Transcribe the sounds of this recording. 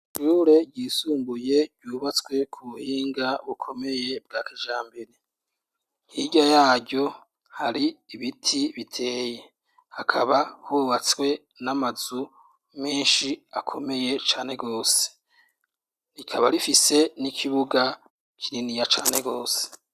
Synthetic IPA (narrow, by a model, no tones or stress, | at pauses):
ʃuɾe̞ɟɟiːsuːmbuje̞ɟɟuːβat͡swe̞kʰuβuhiːŋɡaβukʰo̞me̞je̞b̚ɡaːkeʒaːmbiɾe | hiɟajaːɡɟo̞ | haɾiːβitʰiβitʰe̞ːje | hakʰaβahuːβat͡swe̞ | namazu | meːnʃiakʰo̞me̞je̞t͡ʃaːne̞ɡo̞ːse̥ | ɾikʰaβaɾifise̞nikʰiβuɡa | kʰiɾinijat͡ʃaːne̞ɡo̞ːse̥